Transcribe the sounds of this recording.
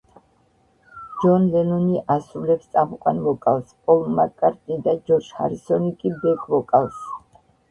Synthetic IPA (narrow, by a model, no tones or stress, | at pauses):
d͡ʒɔnlɛnɔniʔasɾulɛpst̪sʼamukʼwanvɔkʼawspʼɔlˠmakʼaɾt̪ʼnid̪ad͡ʒɔɾd͡ʒha̰ɾisɔnikʼibɛɡʰvɔkʼaws